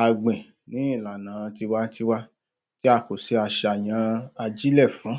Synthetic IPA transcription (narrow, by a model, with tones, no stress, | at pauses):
a˧ɡ͡bɛ̃˨ | nĩ˨˦ĩ˦˨la˨nãː˨˦˧ti˧wa˦ti˦˧wa˦ | ti˦a˦˨ko˨se˨˧˦a˧ʃe˧a˨j̃ã˧a˧d͡ʒi˦lɛ˦˨fũ˨˦